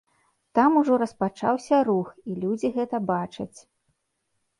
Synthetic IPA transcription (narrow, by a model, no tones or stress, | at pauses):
t̪amuʐɔɾɐspat͡ʂa̰wsʲɐɾuxilʲud͡zʲiɣɛt̪ɐbat͡ʂɐt͡sʲ